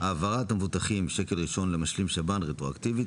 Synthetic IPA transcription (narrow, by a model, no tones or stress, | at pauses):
aːvaʁat̪amvut̪aχimʃe̞kelʁiʃo̞nlemaʃlimʃabanʁet̪ʁoa̰ktivi